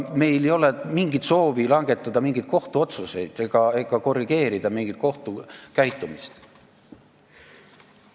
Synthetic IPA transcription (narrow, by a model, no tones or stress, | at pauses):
me̞jlejo̞lemiŋɡit̪so̞ːvilɑŋɡe̞t̪ːˑɑd̪ɑmiŋɡ̥it̪̚ko̞ht̪uo̞t̪suse̞jd̪̥eɡ̥ɑe̞ɡ̥ɑko̞rːiɡ̥e̞ːɾid̪̥ɑmiŋɡ̥it̪̚ko̞ht̪ukæjt̪ːˑumist̪